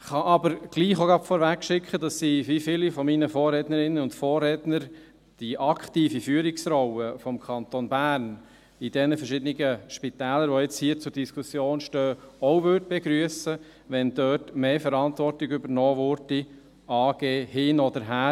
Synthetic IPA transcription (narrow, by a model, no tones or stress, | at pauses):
χɑʔɑbəɾɡ̥liːχoɡɑpfɔːɾʋækʃɪkχədɑsːiːvifɪlifɔminəfɔːrɾɛtnəɾɪnənʊntfɔːrːɛdnəɾ | d̥iʔɑkχtiːfifyːəɾiksɾɔwəfɔmkʰɑnt̪onbæːɾn | idɛnəfəɾʃɪdəniɡəʃpitɛːləɾʋojɛt͡shiːət͡sʊːɾd̥iskʰusjoːnʃtøːɔʊʋʏɾdəb̥eɡɾyəsə | ʋɛndœːtmeːfəɾɑntʋɔrtiɡybəɾnɔːʋʊɾd̥i | ɑːɡ̥eːhɪnɔdəɾɦæː